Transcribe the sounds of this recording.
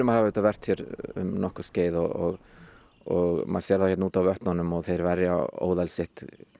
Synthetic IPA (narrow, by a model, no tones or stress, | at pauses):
mahavayːt̪avɛr̥t̪çjɛɾʏ̰mnɔhkʏsceːjðɔɣɔ̰ɣ | ɔɣma̰ðsɛɾðaɛhcɛt̪nuːt̪awvœhp̪nanːʏmɔɣθejɾvɛɾjao̰ːwðalsɪht̪